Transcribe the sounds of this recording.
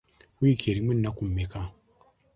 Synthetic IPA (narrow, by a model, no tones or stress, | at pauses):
ikʰeɾimen̩ːakum̩meka